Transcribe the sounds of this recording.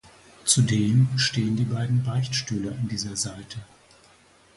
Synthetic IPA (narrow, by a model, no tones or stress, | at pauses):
t͡sudeːmʃteːəndiːbaɪdn̩baɪçʃtyːləandiːzɐzaɪtʰə